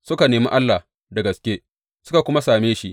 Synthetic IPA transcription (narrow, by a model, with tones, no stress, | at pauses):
sʊ˦ka˨neː˨mḭ˦ʔa˦lːa˨ | dɐ˨ɡɐ˨skʲeː˦ | sʊ˦ka˨kʷʊ˦ma˦saː˨meː˦ʃi˦ʔ